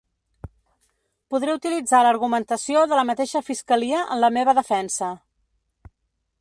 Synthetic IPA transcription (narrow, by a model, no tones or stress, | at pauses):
puðɾeut̪ilid͡zaləɾɣumənt̪əsioðələmət̪eʃəfiskəliəʔə̰nləmeβ̞əðəfɛnsə